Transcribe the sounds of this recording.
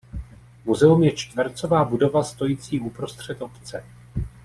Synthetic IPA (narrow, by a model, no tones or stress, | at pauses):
muzɛumjɛt͡ʃt̪vɛɾt͡so̞vaːbudo̞vast̪o̞jit͡siːʔupɾo̞st̪r̝̥ɛt̪o̞pt͡sɛ